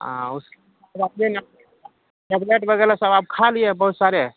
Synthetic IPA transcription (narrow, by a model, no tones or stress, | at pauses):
ɦã̰us | ɾap̚nen | nɛbleʈbəɡelasəbab̚kʰalijebəɦut̪saɾe